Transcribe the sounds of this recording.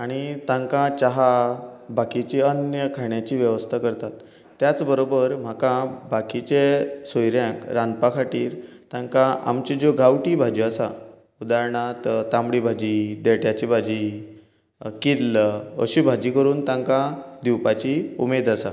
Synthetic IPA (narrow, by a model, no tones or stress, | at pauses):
aɽ̃it̪ãŋkãt͡ɕaɦabakit͡ɕiənjəkʰaɳjat͡ɕiːʋjəʋəst̪ʰakəɾt̪at̪ː | jat͡sbəɾobəɾm̤akãbakit͡ɕesojɾjãkɾãnd̪pakʰaʈiːɾt̪ãŋkãʔa̰mt͡ɕid͡zoɡʱawʈiːbʱad͡ʑiasa | ud̪aɾɳat̪t̪ãmbɽibʱad͡ʑid̪eʈjat͡ɕibʱad͡ʑi | kilə̰ɕibʱad͡ʑiːkəɾuːnt̪ãŋkad̪iwpat͡ɕiṵmed̪asa